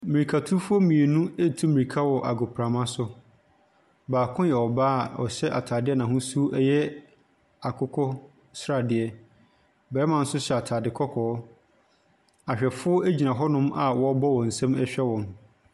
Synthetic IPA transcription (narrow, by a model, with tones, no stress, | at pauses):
mi˨ɾi˨kʰa˨tʰu˦fʊ˦ɔ˦mĩ˨e˨nũ˦e˦˨tʰu˦mĩ˨i˨kʰa˦wɔ˨ʔa˨ɡo˨pʰɾa˨mã˦sʊ˦ | baː˨kʰʊ̃˦jɛ˨ɔ˨baː˦˨ɔ̰˨ɕɛ˦ʔa˨tʰaː˨dɪ˦ɛ˦nã˨ɦʊ̃˦su˦ʔɛ˦jɛ˦ | a˨kʰʊ˦kʰɔ˦ | sɾa˨dɪ˦ɛ˦ | bɛː˨ɛ˦mã˨n̩˦sʊ˦ɕɛ˨a˨tʰaː˨dɪ˨kʰɔ˦kʰɔ˨˦ | a˨ɕᶣɛ˨fʊ˦ɔ˦ʔe˦d͡ʑi˨nã˨ɦɔ˦nʊ̃˦ma˨wɔ˦bɔ˦wɔ̃˨n̩˨sã˦mɛ˦ɕᶣɛ˦wɔ̃˨m